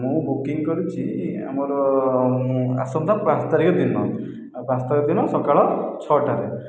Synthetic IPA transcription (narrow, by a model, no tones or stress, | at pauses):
mobukiŋɡkɔɾut͡ʃʰia̰mɔɾɔ | a̰sɔmd̪ʱapãst̪aɾikɔd̪inɔ̰ | pãnst̪aɾikɔd̪inɔsɔkaɭɔt͡ʃʰɔʈaɾɛ